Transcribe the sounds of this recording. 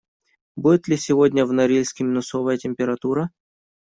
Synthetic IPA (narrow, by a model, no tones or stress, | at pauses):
budʲɪt̪lʲɪsʲɪvodʲnʲəvnɐɾʲilʲsʲkʲɪmʲɪnʊsovəjətʲɪmʲpʲɪɾɐt̪uɾə